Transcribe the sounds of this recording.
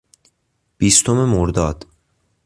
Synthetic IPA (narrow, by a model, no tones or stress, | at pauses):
b̥iːst̪ʰome̞moɾd̪ɒːd̪̥